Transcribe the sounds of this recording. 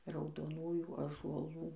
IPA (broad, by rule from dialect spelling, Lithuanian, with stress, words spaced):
rɐʊdoːˈnuːjuː ɑːʒuɔˈlˠuː